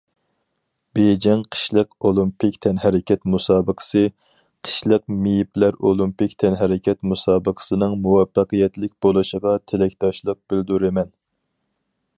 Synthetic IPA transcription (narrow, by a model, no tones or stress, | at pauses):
b̥ed͡ʒɛŋqʰə̥ʃlˠəqolˠimpɪkʲt̪ʰɛnɦɛɾɪkʲɛt̪musɑːbəqʰə̥sɨ | qʰə̥ʃlˠəq̚mijiplæɾolˠimpɪkʲt̪ʰɛnɦɛɾɪkʲʰɛt̪musɑːbəqʰə̥sɨnɨŋmuwɛfːɑqijɛt̪lɪk̚ʲbolˠɨʃəʁɑt̪ʰelɛkʲt̪ɑʃlˠəq̚b̥ɪld̪uɾɪmɛn